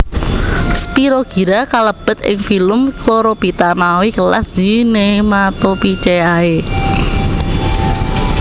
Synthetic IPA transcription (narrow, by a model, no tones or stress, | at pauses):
spiɾoɡ̥i̤ɾakaləb̥ə̤t̪̚ɪ̰ŋfiləmkoɾob̥it̪amawikəla̰sz̥inemat̪opit͡ʃeae